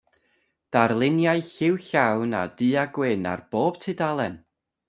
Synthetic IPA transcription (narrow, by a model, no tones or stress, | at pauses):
d̥arlˠɪnjajɬɪwɬawna̰d̥ɨːaɡwɪna̰rb̥oːb̥tʰɨdalˠɛn